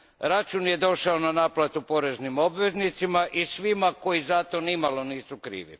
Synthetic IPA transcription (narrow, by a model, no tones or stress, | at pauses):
ɾat͡ʃunje̞d̪o̞ʃaonanaːplˠat̪upo̞ɾe̞znimo̞bʋe̞znit̪simaʔisʋimako̞jizat̪o̞nimalˠo̞niːsukɾḭːʋḭ